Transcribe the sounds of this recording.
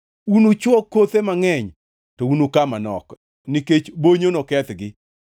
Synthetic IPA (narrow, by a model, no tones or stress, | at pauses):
unot͡ʃwɔkːot̪emaŋɛɲ | tɔunokamanɔ̰k | niket͡ʃboɲonokɛt̪ɡɪ